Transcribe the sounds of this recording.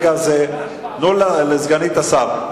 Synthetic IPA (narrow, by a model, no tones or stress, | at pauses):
ɡaze | nollezɡanit̪asaʁ